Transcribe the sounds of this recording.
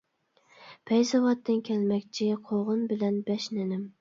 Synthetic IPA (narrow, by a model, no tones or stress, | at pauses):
pʰɛjzɑvɑt̪ːɨnkʲʰɛlmɛkʲt͡ʃʰɪqʰoʁɨnbɪlɛnbɛʃnɪnɪm